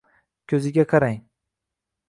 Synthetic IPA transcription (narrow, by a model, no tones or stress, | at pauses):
kʲʰɵzɪɡʲaqʰɑɾaŋ